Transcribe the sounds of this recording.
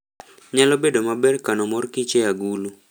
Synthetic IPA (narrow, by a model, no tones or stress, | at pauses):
ɲalɔbedomabɛrkanɔmɔrkɪt͡ʃejaɡulu